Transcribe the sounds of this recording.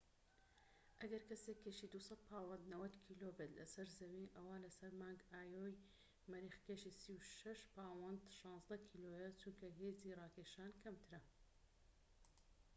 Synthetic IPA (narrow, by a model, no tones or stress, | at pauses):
ʔɐɡɐɾkɐsekʰːeʃid̪usɐt̪̚pʰaːwɐnd̪nɐwɐd̪kʰiːlobet̪lɐ̰sɐɾzɐwinʔɐwaːlɐsɐɾmaːŋɡaːjoːj | mɐɾiːxkeːʃisiwʃɐʃpʰaːwɐnd̪ʃɑ̃ːnzd̪ɐkʰiloːjɐt͡ʃuŋkɐɦeːziːrɑːkʰeːʃaːnkʰɐmt̪ʰɨɾɐ